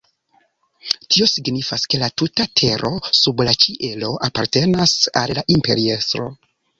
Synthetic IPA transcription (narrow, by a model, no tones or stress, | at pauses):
tio̞siɡnifaske̞latutatʰe̞ɾʔo̞sublat͡ʃiʔe̞lo̞ʔapaɾte̞nasa̰lːaʔimpe̞ɾie̞stɾo̞̰